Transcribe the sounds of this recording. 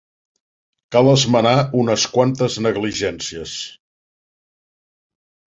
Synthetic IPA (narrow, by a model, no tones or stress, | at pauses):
kalˠəzmənaunəskwant̪əznəɣliʒɛnsiəs